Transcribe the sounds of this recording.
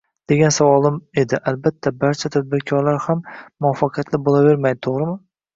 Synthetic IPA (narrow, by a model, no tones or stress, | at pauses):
d̪̥e̞ɡʲansavɒlˠɪme̞d̪ɪʔalbat̪ʰːabaɾt͡ʃʰat̪ʰad̪̚bɪɾkʲʰɒɾlaɾhamːʊɒfːaqʰɨjat̪lɪbolˠave̞ɾmajd̪ɪt̪ʰoʁɾɪmɪ